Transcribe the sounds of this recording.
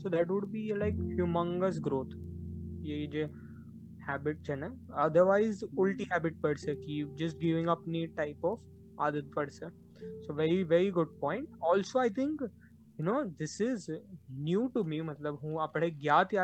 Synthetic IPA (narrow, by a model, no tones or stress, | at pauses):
soːd̪æʈ̬ʋʊɖbielaɪkhjumə̃ŋɡəs̬ɡɾoːt̪ʰjed͡ʒe | hæːbɪʈ̚d͡ʒɛnãɐd̪əɾʋaɪzʊlʈiɦæːbɪʈ̚pəɖsəkid͡ʒɐsʈ̚ɡɪʋɪ̃ŋɡɐpniʈaɪpɔf | a̰ːd̪ət̪̚pəɖsə | soʋɛɾiʋɛɾiɡʊɖ̚pɔ̃ːɪ̃ɳʈɔːlsoːaɪt̪ʰɪ̃ŋk | jʊnoːd̪ɪsɪznjuːʈumimɐt̪ləbɦũɐpɽ̃eɡjaːt̪a